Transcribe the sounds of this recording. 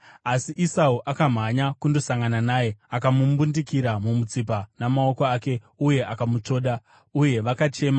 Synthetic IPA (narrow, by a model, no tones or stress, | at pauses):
asiʔisauʔakam̤aɲakundo̞saŋɡananaːje̞akamumbundikiɾamumut͡sip̬anamao̞koaːke̞ | uje̞ʔakamut͡ʂo̞ːɗa | uje̞ʋakat͡ʃe̞ːma